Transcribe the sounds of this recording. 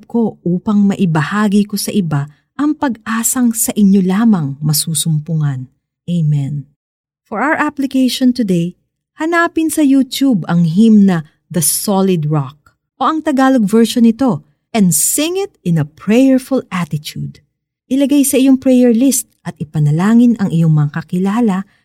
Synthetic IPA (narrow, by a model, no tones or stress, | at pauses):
b̚ko̞ʔuːpɐŋmɐʔɪbɐhaːɡiko̞sɐʔɪba | ʔɐŋpɐɡʔaːsɐŋsɐʔɪɲːo̞laːmɐŋmɐsuːsʊmpʊŋɐn | ʔejmɛ̃n | fɔɹʔawəɹʔaplɪkejʃɔnt̪ʊd̪ej | hɐnaːpɪnsɐjuːt̪ubɐŋɦimnɐ | d̪ɐsolɪd̪ɹak̚ | ʔo̞ʔɐŋt̪ɐɡaːloɡ̚vɛɹʃonɪt̪o̞ | ʔɛ̃nd̪sɪŋɪt̪̚ɪ̃nɐpɹɛjɛɹfʊlat̪ɪt̪ṵd̪ | ʔɪlɐɡajsɐʔɪjo̞ŋpɹɛjɛɹlist̪̚ʔɐt̪̚ɪpɐnɐlaːŋɪnʔɐŋʔɪjo̞ŋmɐŋɐkɐkɪlaːlɐ